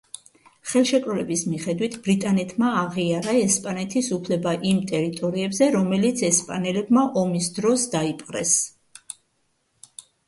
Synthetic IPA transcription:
χɛlˠʃɛkʼɾɔlɛbismiχɛd̪wit̪ʰb̥ɾit̪ʼanɛt̪ʰmaːʁiaɾaɛspʼanɛt̪ʰisupʰlɛbaʔimt̪ʼɛɾit̪ʼɔɾiɛbzɛɾɔmɛlit̪sʰɛspʼa̰nɛlɛbmaʔɔmisd̪ɾɔsd̪aipʼqʼɾɛ̰s

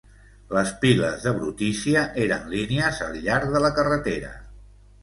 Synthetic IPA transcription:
ləspiləzðəβɾut̪isiəʔeɾənliniəzəlˠʎaɾðələkərət̪eɾə̰

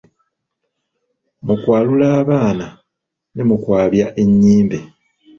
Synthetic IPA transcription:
mukwaːlulaːβaːna | nemukwaːβjaʔe̞ɲːiːmbe̞

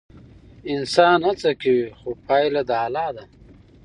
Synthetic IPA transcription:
ɪnsɑːnat͡sakawixopʰɑjlad̪ːlɑːd̪a

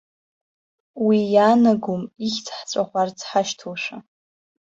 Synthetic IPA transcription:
wijanaɡumixʲt͡sʰħt͡sʷʼaχʷart͡sʰħaʃtʰulʂʷa

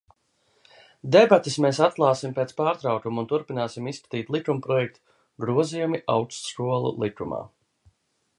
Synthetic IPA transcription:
d̪ebat̪ismeːsat̪̚klˠaːsimpeːt̪spaːɾt̪ɾawkumunt̪uɾpinaːsimisskḁt̪iːt̪lˠikɾumpɾɔjɛk̚t̪ | ɡɾuɔzijumiʔawkst̪skuɔlˠṵlˠik̪ɾuma̰ː

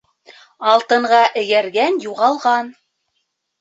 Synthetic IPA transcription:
ɑlˠt̪ɤ̆ɴʁɑʔɘ̆jæɾɡænjuʁɑlˠʁɑn

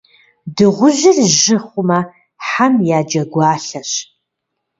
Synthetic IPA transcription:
dɨʁʷʊʒɪrʒɪχʷʊmɐ | ħamjaːd͡ʒɐɡʷɑːɬɐɕ

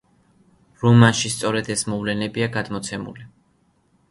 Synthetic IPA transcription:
ɾɔmanʃist̪sʼɔɾɛd̪ɛsmɔvlɛnɛbiaɡad̪mɔt̪sʰɛmṵli

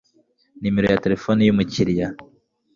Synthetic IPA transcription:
nime̞ɾo̞jate̞ɾefonijumuciɾja

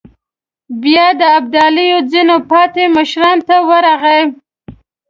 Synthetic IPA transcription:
bjɑd̪əab̚d̪ɑlijod͡zinopɑt̪eməʃɾɑnt̪awəɾaɣəj

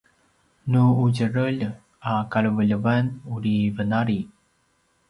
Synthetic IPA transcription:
nuuɟəɾəʎ | akaɭəvəʎəvanuɾivənaɾi

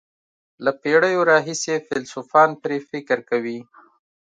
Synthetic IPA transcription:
lapeɽəjoɾɑɦisefɪlsufɑnpɾefɪkɾkawi

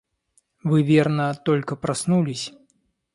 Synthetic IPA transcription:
vɨvʲernət̪ɔlʲkəpɾasnulʲisʲ

